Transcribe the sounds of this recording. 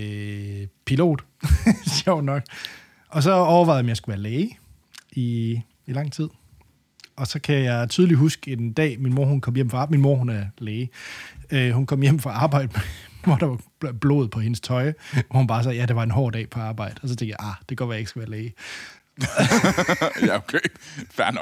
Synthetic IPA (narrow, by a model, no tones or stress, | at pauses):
pʰilo̝̰ːd̥ | ɕɒʊ̰nɒ̽ɡ̥ | ʔɒ̽s̬ɒ̽ɒʊɐʋɑ̈ɪ̰mjɑ̈sɡ̥uʋæːɐleː | i | ilɑ̈ŋ̰t͡sʰið̞̰ˠ | ɒ̽sɒ̽kʰæjɑ̈ɪt͡sʰyðˠliɦusɡ̥e̝nd̥ɛ̰ːminmo̝ɐhunkʰɒ̽m̰jem̰fɑɑminmo̝ɐ̰ɦunæɐleːɪ | øhunkʰɒ̽m̰jem̰fʁɑ̈ɑ̈ːb̥ɑ̈ɪ̰d̥əmʋɒɾ̥ɑ̈ʋɑ̈ | b̥lo̝̰ːð̞̩ˠpʰɒ̽he̝nəst͡sʰɒ̽ɪʋɒhunb̥ɑ̈ːs̬ɒjæd̥e̝ʋɑ̈e̝nɦɒ̰ːd̥ɛ̰ːpʰɒ̽ɑ̈ːb̥ɑ̈ɪ̰d̥əɒ̽s̬ɒt͡sʰeŋɡ̥jaʔɑd̥e̝ɡ̥ɶ̰ɐʋæje̝ɡ̥sɡ̥æʋæːɐleː | jæokʰefæn